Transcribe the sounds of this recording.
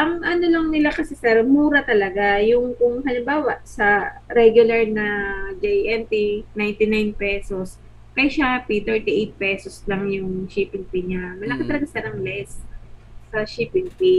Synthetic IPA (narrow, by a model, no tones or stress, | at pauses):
ʔɐŋʔɐno̞lɐŋnɪlakɐsɛsɛɾmuːɾɐt̪ɐlɐɡajʊŋkʊŋhɐnɪmbaːwɐʔsɐɾɛɡjʊlɐɹnɐd͡ʒɛjʔɛnt̪inajnt̪ɪnajnpɛːsos | kɐjʃapit̪ɛɹt̪iʔejt̪̚pɛːsoslɐŋjʊŋʃipɪŋpiɲamɐlɐkɐt̪ɐlɐɡasɪanɐŋlɛs | sɐʃipɪŋpi